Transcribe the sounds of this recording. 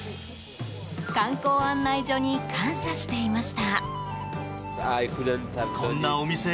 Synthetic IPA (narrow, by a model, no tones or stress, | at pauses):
kãŋko̞ːãnːaiʑo̞ɲ̟ikʰãɰ̃ɕaɕi̥t̪e̞imaɕi̥t̪a | sajkɯdent̪akonːaomʲise